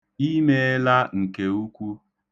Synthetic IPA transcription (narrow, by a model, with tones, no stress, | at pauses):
i˦me˦la˦ŋ̩˨ke˨u˦kʷu˦